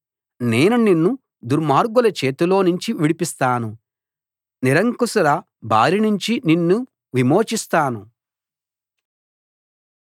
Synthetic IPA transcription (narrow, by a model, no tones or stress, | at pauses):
neːnuninːu | d̪uɾmaːɾɡulɐt͡ʃe̞ːt̪ulo̞ːnuɲt͡ʃiʋiɽipist̪aːnu | niɾɐŋkusɐɾɐ | bʱa̰ːɾinuɲt͡ʃininːu | ʋimo̞ːt͡ʃist̪aːnu